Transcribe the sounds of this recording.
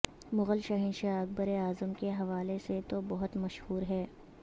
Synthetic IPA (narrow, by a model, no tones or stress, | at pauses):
mʊɣəlʃɐɦiːnʃaɐk̚bəɾeaːzəmkeɦɐʋaːleset̪obɐɦʊt̪mɐʃhuːɾɦɛː